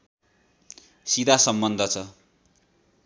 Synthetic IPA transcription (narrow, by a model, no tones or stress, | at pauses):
sid̪asʌmbʌnd̪ʱʌt͡sʰʌ